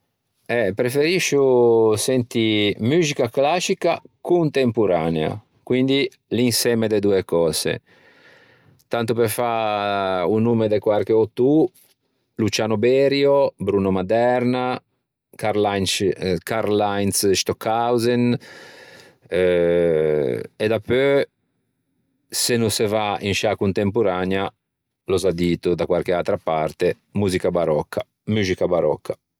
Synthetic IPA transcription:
ɛpɾefeɾiʃːusɛnt̪imyːzikaklasikakunt̪empuɾaːnea̰ | kwind̪i | linsɛmed̪ed̪uekɔːzḛ | t̪ant̪upefa | unuːmed̪ekwarkeot̪u | lut͡ʃaːnobɛːɾjobɾuːnomad̪ɛɾna | kaɾlajnkaɾlajnsd̪eʃt̪ɔkʰːawzen | ed̪apø | senusevainʃakunt̪empoɾanja | lozad̪iːt̪od̪akwaɾkealt̪ɾapart̪e | muzikabaɾɔkʰːa | muzikabaɾɔ̰kʰːḁ

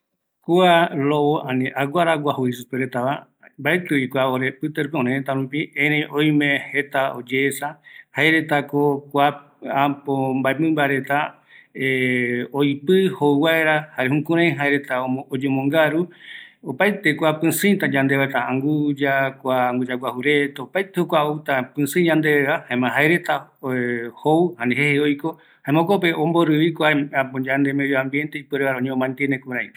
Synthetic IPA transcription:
kualowoãnĩʔaɡʷaɾaɡʷahuisupeɾet̪aβa | mbaet̪ɨikʷaoɾepɨt̪eɾupeõɾẽt̪aɾũpiẽɾẽj̃ʔõj̃mẽhe̞t̪aod͡ʒeːsahaeɾe̞t̪akokʷa | apombaemɨ̃mbaɾe̞t̪a | eoipɨhowaeɾahaɾehũkũɾ̃ãj̃ĩɦaeɾe̞t̪aood͡ʒomõŋɡaɾuopajt̪e̞kʷapɨ̃sɨ̃jt̪ad͡ʒãnd̪e̞βaet̪aãŋɡud͡ʒakʷaaŋɡud͡ʒaɡʷwahuɾet̪aopajt̪ehokʷaowt̪apɨ̃sɨ̃d͡ʒãnd̪e̞eɾahaẽmãɦaeɾe̞t̪a | howhãnẽɦeheojko̞ | haẽmãõkope̞ʔõmbo̞ɾɨβikʷaapõd͡ʒand̪emejoãmbje̞nt̪e̞ipɨɾeβaɾaoɲẽõmãnt̪enekuɾãĩ

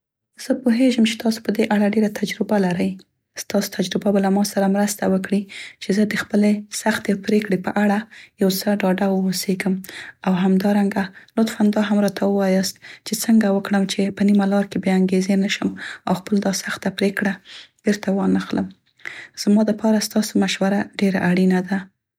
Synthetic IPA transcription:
z̥əpoɦeʒəmt͡ʃe̥t̪ɑso̥pəd̪eʔaɽaɖeɾat̪ʰad͡ʒɾɪbalaɾəj | st̪ɑso̥t̪ʰad͡ʒɾɪbabalamɑsaɾamɾəst̪awəkɽit͡ʃezəd̪əxpəlesaxt̪epɾekɽepə̰ʔaɽajawt͡səɖɑɖawəoseɡəmawɦamd̪ɑɾaŋɡalʊt̪fand̪ɑɦamɾɑt̪ʰawəwɑjɑst̪̚t͡ʃet͡səŋɡawəkɽəmt͡ʃepənimalɑɾkebjeaŋɡezenəʃəmawxpəld̪ɑsaxt̪apɾekɽab̥eɾt̪awɑnəxləm | z̥mɑd̪əpɑɾast̪ɑsomaʃwaɾaɖeɾa̰ʔaɽinad̪a

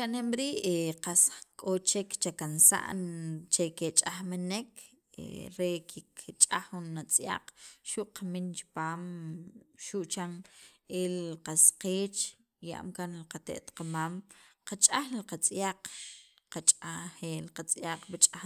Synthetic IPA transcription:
ʃanemɾiːʔeqaskʼot͡ʃekt͡ʃakansa̰ʔnt͡ʃeket͡ʃʼaxmenek | ḛɾekʰikʰt͡ʃʼaxunːat͡sʼja̰q͡χʃuʔqamint͡ʃi̥paːm | ʃuʔt͡ʃaŋelqasqeːt͡ʃ | ja̰ʔmkanlqat̪ḛʔt̪qamamqat͡ʃʼaxllqat͡sʼjaq͡χ | qat͡ʃʼaxeːlqat͡sʼjaq͡χbit͡ʃʼa

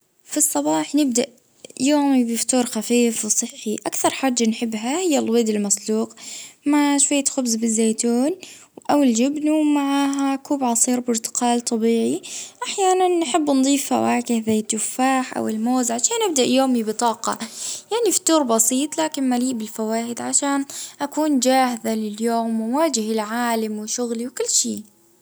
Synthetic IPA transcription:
fisˤːɑbɑːħnɪb̚d̪aʔ | joːmibɪft̪uːɾxafiːfwsˤɨħːiʔakθɑɾˤħaːd͡ʒːanħɪbːɦahɪjːalwed̪ɪlmɑsˤluːqmaʕʃwajːaxʊbzbɪzːeːt̪uːn | wʔawɪld͡ʒɪbnuwmaʕaːɦakuːbʕɑsˤiːɾbɪɾt̪ɪ̥qɑːlt̪ˤɑbiːʕiʔaħjaːnanːħɪbːnd̪ˤiːfa̰waːkɪhzajt̪ʊfːaːħʔa̰wɪlmoːzʕaʃaːnʔɪb̚d̪aʔjoːmibɨt̪ˤɑːqɑ̰jaʕnifi̥t̪ːuːɾˤbɑsiːt̪ˤlaːkɪnmaliːʔbɪlfawaːʔɪd̪ʕaʃaːnʔakuːnd͡ʒaːhɪðalɪljoːmːawaːd͡ʒɪhɪlʕaːlamwɪʃʊɣliwkʊlːʃiː

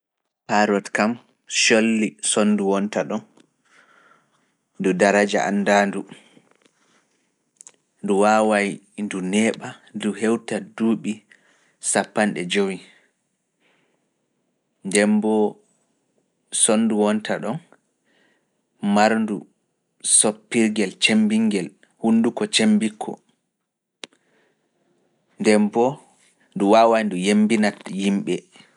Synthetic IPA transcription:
haɾɔtkam | ʃolːisonːduwɔntaɗɔn | dudaɾad͡ʒa̰ʔa̰nːdandu | nduwawaj | ndunɛːɓaduɦɛwtaduːɓi | sapːanɗɛd͡ʒowi | ndɛmbɔ | sonːduwɔntʰaɗɔn | maɾndu | sopːiɾɡɛlt͡ʃembiŋɡɛl | hunːdukɔt͡ʃembikʰːɔ̰ | ndɛmbɔ | nduwawajndujembinatjimɓɛ

